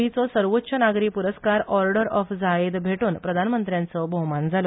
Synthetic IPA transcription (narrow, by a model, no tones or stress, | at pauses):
it͡sɔsəɾʋotːɕʰənaɡɾiːkpuɾəskaɾɔɾɖəɾɔfd͡zaed̪bʱeʈuːnpɾəd̪ʱanmənt̪ɾjãnt͡sɔbʱɔmand͡zʱalo